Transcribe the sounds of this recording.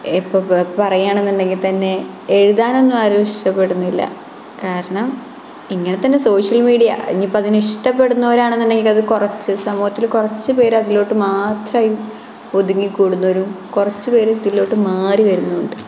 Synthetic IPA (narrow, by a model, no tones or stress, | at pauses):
ipːo̞ːpɐrɐjaːɳenːuɳɖe̞ŋɡilt̪ɐnːe̞ | eɻuðaːno̞nːumaːɾoiʂʈɐpːe̞ɽunːuilːɐ̰ | kaːɾɐɳɐm | iŋːɐne̞t̪ɐnːe̞so̞ːʂɐlmiːɽijɐ̰ḛɲːipːoɐðiniʂʈɐpːe̞ɽunːoːɾaːɳenːiɳɖe̞ŋɡilɐðɨkurɐt͡ɕːɨsɐmuːhɐt̪ːilkurɐt͡ɕːɨpe̞ːɾɐðilo̞ːʈːɨmaːt̪rɐːju | oðuŋːikuːɽunːoːɾumkurɐt͡ɕːɨpe̞ːɾɐðilːo̞ːʈːɨmaːriʋɐɾunːuuɳɖɨ